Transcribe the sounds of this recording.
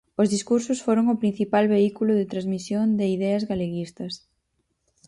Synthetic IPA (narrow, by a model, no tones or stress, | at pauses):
ʊzðiskuɾsʊsfoɾoŋʊpɾin̟θipalβeikulʊðɪt̪ɾazmisjond̪ɪiðɛɐzɣaleɣist̪ɐs